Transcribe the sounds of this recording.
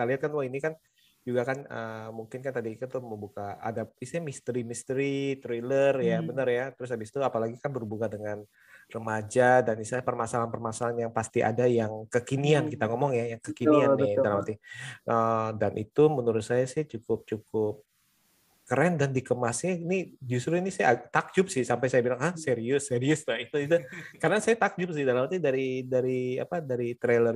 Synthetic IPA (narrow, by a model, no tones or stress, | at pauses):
kit̪aliɦat̪̚kanwainikan | d͡ʒuɡakanəmuŋkɪnkant̪adiːt̪ut̪uməmbukaa̰daisamist̪əɾimist̪əɾit̪ɾelərjabənərjat̪əɾʊsabɪst̪uapalaɡikanbərubukadəŋan | rəmad͡ʒadanisapərmasalanpərmasalanjaŋpast̪iʔa̰dajaŋkəkiniankit̪aŋɔmɔŋjajaŋkəkinianːɪdalamat̪iʔədanʔḭt̪umənuɾʊt̪̚sajasɪht͡ʃukʊp̚t͡ʃukʊp̚ | kəɾɛndandikəmasɲainid͡ʒust̪ɾuinisajat̪ak̚d͡ʒʊp̚sɪhsampajsajabilaŋahseɾiʊseɾiʊst̪ait̪uit̪ukaɾənasajat̪ak̚d͡ʒʊp̚sɪhdalamat̪idaɾidaɾia̰padaɾit̪ɾelər